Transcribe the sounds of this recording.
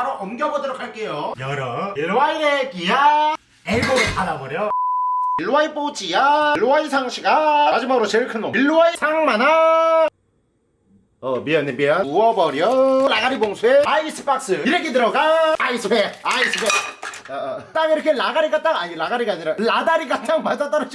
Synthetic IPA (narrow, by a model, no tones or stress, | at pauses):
aɾoʔʌmɡjʌbodʌɾokʰaɭk͈ejojʌɾʌeɭwainekija | eɭboɡɯpadabʌɾjʌ | ɭːwaip͈ot͡ɕijaɭːoaisʰaŋɕʰiɡamad͡ʑimaɡɯɾot͡ɕeɭkʰɯnʌɭːuaisʰaŋmana | ʌmiʌnːempiauʌbʌɾiʌlaɡaɾiboŋsʰueais͈ɯ̥pʰak̚s͈ɯiɾekʰitɯɾʌɡaais͈ʰɯpʰeaisʰɯpʰe | t͈aŋiɾʌkʰelaɡaɾiɡat͈aŋaɲilaɡaɾiɡaɲiɾaladaɾiɡat͈aŋmad͡ʑat͈ʌɾɯt͡ɕ